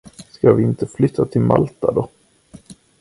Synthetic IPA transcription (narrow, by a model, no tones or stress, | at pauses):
skavɪɪnt̪əflʏt̪ʰːat̪ʰɪlma̰lt̪ad̪ɔ